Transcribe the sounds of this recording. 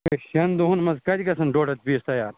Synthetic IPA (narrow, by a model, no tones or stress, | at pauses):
eɕɐnd̪uɦunmɐzkɐd͡ʑɡɐsɐnɖoːɖɐt̪̚biːst̪ɐjaːɾ